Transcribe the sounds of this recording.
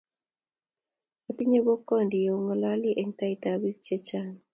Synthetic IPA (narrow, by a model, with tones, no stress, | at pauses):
a˨ti˦ɲe˦bo˦kːɔ˦ndi˨o˦ŋa˨la˦li˦ʔɛ˨ŋta˦i˦tabi˦k̚t͡ʃe˦t͡ʃa˦n